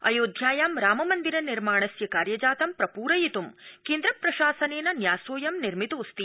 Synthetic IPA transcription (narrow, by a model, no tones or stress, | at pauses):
ɐ̰joːd̪ʱjaːjaːmɾaːmɐmɐnd̪iɾɐniɾmaːɳɐsjɐkaːɾjɐd͡ʒaːt̪ɐmpɾɐpuːɾɐjit̪umkeːnd̪ɾɐpɾɐʃaːsɐneːnɐnjaːsoːjɐmniɾmit̪uːst̪i